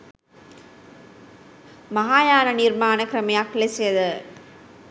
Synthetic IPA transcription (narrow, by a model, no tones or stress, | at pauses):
mɐɦaːjaːnɐniɾmaːnɐkɪɾɐmɐjaːkːɪlesɐjɐðɯ